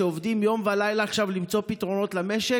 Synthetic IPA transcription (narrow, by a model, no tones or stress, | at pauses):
eovd̪imjo̞mvalajlaːχʃavlimt͡so̞pitʁo̞no̞t̪lame̞ʃe